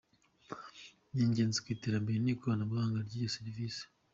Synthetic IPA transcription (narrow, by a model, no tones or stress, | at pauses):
ɲeːɲɟe̞ːnzekwiːteɾambeɾenikuβanaβuɡaːŋɡaɾɟijoseɾiviːsi̥